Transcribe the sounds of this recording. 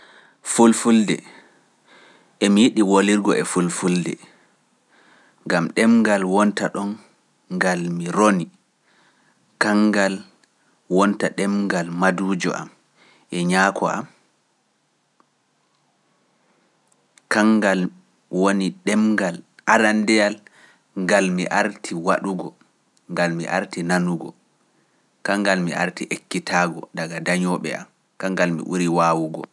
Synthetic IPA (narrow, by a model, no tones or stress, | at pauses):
fulfuldɛ̰ | ʔɛmijiɗiwoliɾɡɔʔɛfulfuldɛ̰ | ŋɡamɗɛmɡalwɔntaɗɔn | ɡalmiɾoni | kaŋɡal | wɔntaɗɛmɡalmaduːd͡ʒɔ̰ʔa̰m | ʔɛɲaːkʰɔa̰m | kaŋɡal | woniɗɛmɡalʔaɾandɛjal | ŋɡalmḭʔaɾtʰiwaɗuɡɔ | ŋɡalmḭʔa̰ɾtinanuɡɔ | kaŋɡalmiʔaɾtiʔekːitʰaɡɔ̰ɗaɡadaɲɔɓɛ̰a̰m | kaŋɡalmḭʔṵɾiwaːwuɡɔ̰